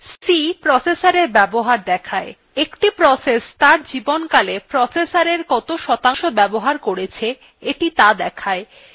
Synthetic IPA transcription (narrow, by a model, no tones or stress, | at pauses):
sipɾɔsesaɾeɾbɛboɦaɾd̪ɛkʰae | ekʈipɾɔsest̪aɾd͡ʑibonkalepɾɔsesaɾeɾkɔt̪oʃɔt̪aŋʃobɛboɦaɾkoɾet͡ɕʰe | eʈit̪ad̪ɛkʰae